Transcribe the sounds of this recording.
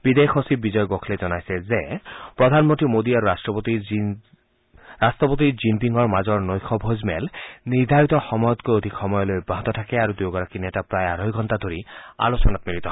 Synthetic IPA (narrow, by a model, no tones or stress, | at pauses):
b̥id̪exʰosibizɔjɔɡɔkʰlɛzɔnajsɛzɛpɹɔd̪ʱanmɔntɹimod̪iaɹuɹastɹɔt̪i | ɹastɔpot̪̬izimpiŋɡɔɹmazɔɹnojkʰɔbʱozmɛlniɹd̪ʱaɹit̪ɔxɔmɔjɔt̪̚kojod̪ʱikxɔmɔjɔlojubʱaɦɔt̪ɔtʰakɛaɹud̪ujɡɔɹakinɛtapɹajaɾojɡʱɔntad̪ʱoɹia̰losɔnat̪miɾit̪ɔ